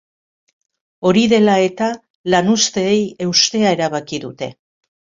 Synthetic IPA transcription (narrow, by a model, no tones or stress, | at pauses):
o̞ɾiðe̞lae̞t̪a | lanust̪e̞ːje̞wst̪e̞ae̞ɾaβ̞akiðut̪e̞̰